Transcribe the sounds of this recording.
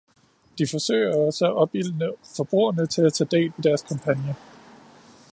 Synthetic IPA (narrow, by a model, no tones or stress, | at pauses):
d̥ifɒ̽sø̰ɪ̰ɐɒ̽səæʔɒ̽b̥il̰nəfɒ̽b̥ʁṵːɐnət͡sʰe̝læt͡sʰɛ̰ːd̥e̝̰ːlʋed̥æɐskʰɑ̈mpʰænjə